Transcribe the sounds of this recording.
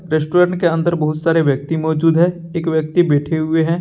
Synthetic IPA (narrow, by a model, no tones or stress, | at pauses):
ɾeːsʈoːɾə̃ɳʈ̚keɐ̃nd̪əɾbɐɦʊt̪saːɾeʋjək̚t̪imɔːd͡ʒuːd̪ɦɛ̃ː | eːkʋjək̚t̪ibɛːʈʰeɦʊeɦɛ̃ː